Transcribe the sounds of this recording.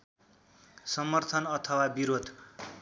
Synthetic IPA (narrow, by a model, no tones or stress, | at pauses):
sʌmʌrt̪ʰʌnʌt̪ʰʌwabiɾod̪ʱ